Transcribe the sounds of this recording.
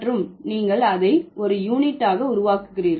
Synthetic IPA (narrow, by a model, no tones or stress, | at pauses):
rɯmniːŋɡɐɭɐðɐɪɔɾɯjuːnɪʈːaːɣɐʊɾʊʋaːkɯ̥ɣɪriːɾ